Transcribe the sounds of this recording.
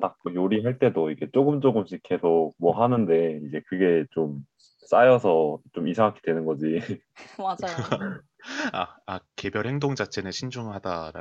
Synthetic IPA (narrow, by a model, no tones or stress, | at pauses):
tak̚joɾiɦaɭt͈e̞doiɡe̞t͡ɕ͈oɡɯmt͡ɕ͈oɡɯmɕʰikʰe̞sʰok̚mwʌɦanɯnde̞id͡ʑe̞kɯɡe̞t͡ɕom | s͈ajʌsʰʌt͡ɕomisʰaŋɦakʰe̥dwenɯnɡʌd͡ʑi | a | aake̞bjʌɭhe̞ŋdoŋd͡ʑat͡ɕʰe̞nɯɕʰind͡ʑuŋɭɦadaɾa